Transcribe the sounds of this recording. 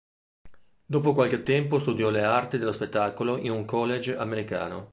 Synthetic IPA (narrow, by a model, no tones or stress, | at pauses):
d̪oːpokwalket̪ːɛmpost̪ud̪jɔleart̪id̪elːospet̪ːaːkoloʔinuŋkɔlːed͡ʒameɾika̰ːno̰